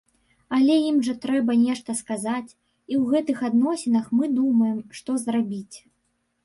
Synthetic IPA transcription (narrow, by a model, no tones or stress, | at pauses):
ɐlʲɛjimʐɐt̪ɾɛbɐnʲɛʂt̪ɐskazat͡sʲ | iwɣɛt̪ɨxad̪nɔsʲɛnɐxmɨd̪umɐjɛmʂt̪ɔzrabʲit͡sʲ